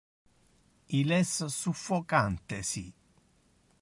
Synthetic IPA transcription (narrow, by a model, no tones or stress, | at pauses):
ilɛsːəsufːɔkant̪esi